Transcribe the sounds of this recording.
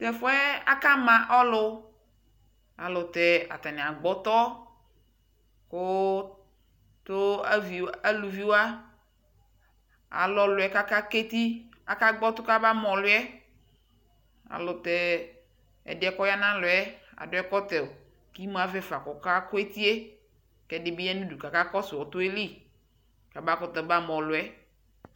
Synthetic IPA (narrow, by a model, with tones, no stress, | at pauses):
t̪ɛ˨fʊ˦ɛ˦a̰˦ka˦mã˨ʔɔ˦lʊ˨ | a̰˨lʊ˨t̪ɛ˨a̰˨t̪ɛ˨nɪ̃˨a˨ɡ͡bɔ˦t̪ɔ˦ | kʊ˦ | t̪ʊ˦a˦vi˨a˦lu˨vi˨˦wo˦a˦ | a̰˨lɔ˨lʊ˨ɛ˨ka˦ka˦ke˦t̪i˦ | a̰˨ka˦ɡ͡bɔ˦t̪ʊ˦ka˦ba˦mɔ̃˨lʊ˦ɛ˦ | a̰˨lʊ˨t̪ɛ˨ | ɛ̰˨dɪ˨ɛ˨kɔ˦ja˦nã˦lʊ˨ɛ˦a̰˨dʊ˦ɛ˦kɔ˦t̪ɛ˨o˨ | ki˦mu˦a˨vɛ˦fa˨kɔ˨ka˦kʊ˦ɛ˦t̪i˦e˦ | kɛ˨dɪ˨bɪ˦ɛ˦nũ˦du˨ka˨ka˦kɔ˦sɪ˨wɔ˨t̪ʊ˦e˦li˦˨ | ka˨ba˦kɔ˦t̪ɛ˨˦ba˦mɔ̃˨lʊ˨ɛ˦